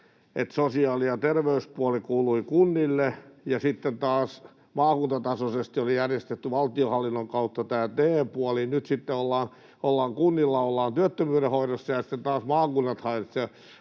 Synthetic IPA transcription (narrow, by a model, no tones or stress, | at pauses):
et̪sosiɑːlijɑt̪erʋeyspuɑlikuːluikunːilːejɑsit̪ːent̪ɑːs | mɑːkunt̪ɑt̪ɑsosest̪iolijærjest̪et̪ːyʋɑlt̪iohɑlːinːoŋkɑut̪ːɑt̪æːt̪eːpuɑlinyt̪sit̪ːeolːɑːn | olːɑːŋkunːilːɑolːɑːnt̪yøt̪ːømyːɾehoidosːɑjɑsĭ̥t̪ːent̪ɑːsmɑːkunːɑt̪hɑinɑt̪se